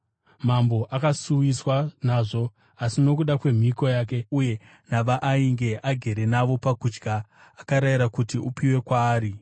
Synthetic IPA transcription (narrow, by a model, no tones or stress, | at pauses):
mambo̞ʔakasuwiswanaʐo̞ | asino̞k̬uɗakwe̞m̤iko̞jaːk̬e̞uje̞ | naʋaʔːiŋɡe̞ʔaɡʱe̞ɾe̞naʋo̞pakud͡ʒɡʱaː | kaɾaiɾakutiupiwe̞kwaːɾi